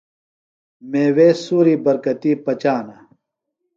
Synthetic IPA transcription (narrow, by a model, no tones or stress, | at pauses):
meːweːsuːɾiːbɐɾkɐt̪iːpɐt͡ɕaːnɐ